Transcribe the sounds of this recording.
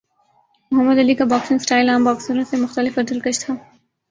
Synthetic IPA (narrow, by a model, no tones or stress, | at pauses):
mʊɦəmːəd̪ɐlikabɔːksɪnsʈaːɪlaːmbaːksəɾõsemʊxt̪əlɪfɐɾd̪ɐlkɐʃt̪ʰaː